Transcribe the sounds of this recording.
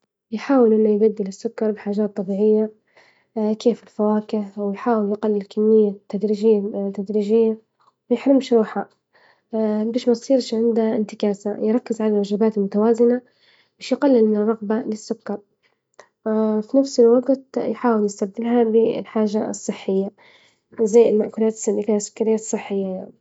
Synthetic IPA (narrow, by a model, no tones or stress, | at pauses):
jħaːwɪlʔɪnːʊjɡad̪ːɪlɪsːʊkːɑɾˤbɪħaːʒaːt̪ˤːɑbiːʕɪjːa | keːfɪlfawaːkɪʕwɪjħaːwɪljqɑlːɪlkʰamːɪjːat̪ːad̪ɾiːʒɪjːat̪ad̪ɾiːd͡ʒɪjːa | wjɪħɾɪmʃɾuːħa | beːʃmajsˤiːɾʃʕɪnd̪aɪnt̪ɪkaːsajɾˤɑkːɪzʕalalʔaʒabaːt̪ɪlmʊt̪awaːzɪna | beːʃjɪqɑlːɪlmɪnrˤːɑɣbalɪsːʊkːɑɾˤ | finafsɪlwɑɡt̪jħaːwɪljɪst̪abd̪ɪlɦabɪɪ̰lħaːʒaɨ̰sˤːɨħːɪjːa | zajːɪlmaʔkuːlaːt̪ɪ̥sːalːifiːhʔasːʊ̥kːaɾɪjːasˤɨħːɪjːajaʕni